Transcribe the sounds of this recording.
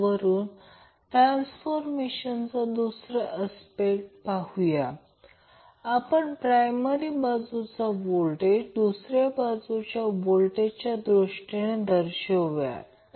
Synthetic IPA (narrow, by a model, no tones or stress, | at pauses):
ʋəɾuːn | ʈɾansfoɾmeɕənt͡sad̪usɾəʔəspeʈpaɦuja | apəɳpɾajməɾibad͡zut͡sabolʈed͡ʑd̪usɾjabad͡zut͡ɕjabolʈet͡ɕjad̪ɾuʂʈeɽ̃ẽd̪əɾɕəʋja̰